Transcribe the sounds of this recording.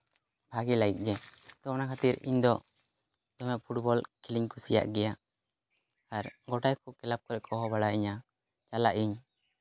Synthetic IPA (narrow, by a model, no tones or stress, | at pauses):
bʱaɡilait̪̚ˀɡɛt̪ɔɔnakʰat̪iɾḭɲd̪ɔ | d̪ɔmɛʔpʰuʈ̚bɔlkʰiliɲkusija̰ʔɡɛja | aɾɡɔʈajkɔkɛlap̚kɔɾɛʔkʰɔɦɔbaɽaʔiɲa | t͡ʃalaʔiɲ